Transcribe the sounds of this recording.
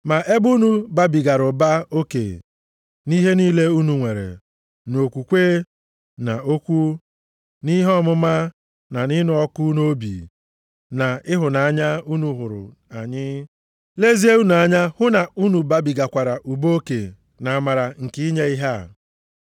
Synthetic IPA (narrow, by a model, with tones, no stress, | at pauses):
ma˨ʔe˦bu˦nu˦ba˦bi˨ɡa˨ɾʊ˨ba˦o˦kḛ˨ | ni˦ɦe˦ni˦le˦u˦nu˨ŋʷe˨ɾḛ˨ | no˨kʷu˨kʷeː˦ | na˨o˦kʷu˦ | ni˦ɦɔ˦mʊ˦ma˦ | na˨ni˦nʊ˦ɔ˦kʊ˦no˦bḭː˨ | na˨ɪ˦ɦʊ˨na˨a˦ɲa˦u˦nu˨ɦʊ˨ɾʊ̰˨ | a˨ɲɪ˦ | le˦zi˦e˦u˦nu˨a˨ɲa˦hʊ˦na˨u˦nu˨ba˦bi˨ɡa˨kʷa˨ɾa˨ʔu˨bo˦o˦ke˨ | na˨a˨ma˨ɾa˨ŋ̩˨ki˦i˦ɲe˦i˦ɦa˦˨